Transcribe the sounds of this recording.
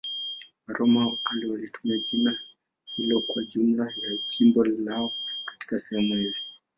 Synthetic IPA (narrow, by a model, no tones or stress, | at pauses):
waɾʔɔmawakaliwalitʰu̥miaʄina | hilɔkwaʄum̩lajaʄimbɔlaɔkḁti̥kasɛhɛmuhizi